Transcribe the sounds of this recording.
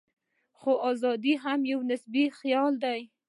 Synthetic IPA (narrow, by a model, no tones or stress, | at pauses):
xoʔɑzɑd̪iɦamjawnɪsbixjɑld̪aj